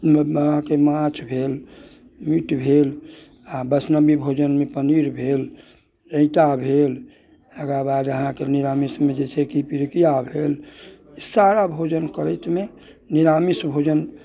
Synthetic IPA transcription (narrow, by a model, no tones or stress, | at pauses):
əɦãkemãt͡ʃʰbʱel | miʈbʱel | abəsnəbibʱod͡ʒənmepəniɾbʱel | ɾə̃ɪt̪abʱel | eɡɾabad̪əɦãkeniɾamismed͡ʒet͡ʃʰɛkipiɾkijabʱel | isaɾabʱod͡ʒənkəɾət̪me | niɾamisbʱod͡ʒən